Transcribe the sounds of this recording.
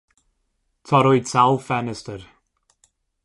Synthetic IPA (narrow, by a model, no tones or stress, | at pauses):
tʰɔɾɔjdsalˠfɛnɛstəɾ